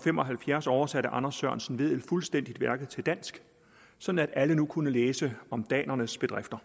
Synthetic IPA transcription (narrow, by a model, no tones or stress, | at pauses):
femɒ̽ɦælfjæɐsɒʊɐsæɾəʔɑ̈nɐsːɶɐnsən̩ʋe̝ð̰ˠe̝d̥fulsd̥en̰d̥id̥ʋæɐɡ̥ð̩ˠt͡sʰe̝ld̥æn̰sɡ̥ | sɒ̽d̥n̩æd̥ælənukʰunəleːsəɒ̽md̥ɛ̰ːnɐnəsb̥e̝d̥ʁafd̥ɐ